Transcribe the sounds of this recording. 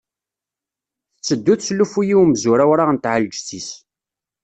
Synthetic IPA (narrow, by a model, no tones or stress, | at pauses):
t͡sːəd̪ːuθslːufujiwmzuɾæwɾaʁənt̪ʕald͡ʒt͡sis